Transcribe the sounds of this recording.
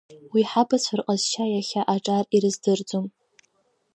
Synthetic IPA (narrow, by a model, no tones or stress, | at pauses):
wiħabasʷʰarqʼazʃajaχʲaʔaʈ͡ʂʼariɾɨzdɨrd͡zʼom